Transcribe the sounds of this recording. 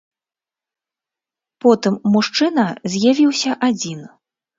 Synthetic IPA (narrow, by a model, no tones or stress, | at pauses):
pɔt̪ɨmːuʂt͡ʂɨnɐzʲjavʲiwsʲɐʔad͡zʲin